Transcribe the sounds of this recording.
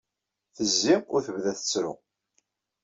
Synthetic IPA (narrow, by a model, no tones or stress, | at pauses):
θəzːiʊɾθəvðæθə̥t͡sːɾʊ̰